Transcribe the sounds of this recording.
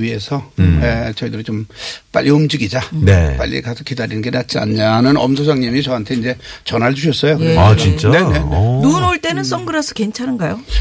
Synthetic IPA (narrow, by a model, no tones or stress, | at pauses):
ɥie̞sʰʌjet͡ɕʌidɯɾɯɭt͡ɕomp͈a̰ʎːʔiomd͡ʑiɡid͡ʑanep͈a̰ʎːḭkasʰʌkidaɾinɯnɡe̞nat̚t͡ɕ͈ia̰ɲɲanɯnʌ̰msʰosʰaŋɲimit͡ɕʌɦantʰe̞ind͡ʑe̞t͡ɕʌnɦaɭd͡ʑuɕʰʌs͈ʌjokɯat͡ɕint͡ɕ͈anee̞nunoɭt͈e̞nɯns͈ʌŋɡɯɾasʰʌ̥ke̞nt͡ɕʰanɯnɡajo